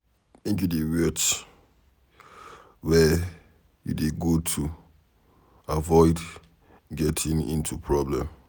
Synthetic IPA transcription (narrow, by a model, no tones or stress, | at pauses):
ĩntudewɛt | wɛ | jṵdeɡotʰu | avɔɪd | ɡɛtʰĩŋḭ̃ntupʰɹɔblɛ̃m